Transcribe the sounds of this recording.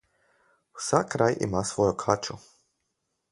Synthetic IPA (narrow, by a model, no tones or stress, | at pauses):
u̥sakɾajʔḭmasʋojukʰat͡ʃu